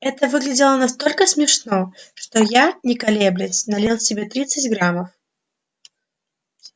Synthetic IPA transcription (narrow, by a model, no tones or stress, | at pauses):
ɛt̪əvɨɡlʲɪdʲɪlˠənɐst̪o̞lʲkəsmʲɪʂno̞ʂt̪ojanʲɪkɐlʲeblʲɪsʲnɐlʲelˠsʲɪbʲe̞t̪ɾʲit̪sɨtʲɡɾaməf